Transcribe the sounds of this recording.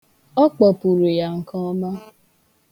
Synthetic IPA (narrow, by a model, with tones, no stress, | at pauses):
ɔ˦k͡pɔ˨pu˨ɾu˨ja˨ŋ̩˨kɔ˦ma˦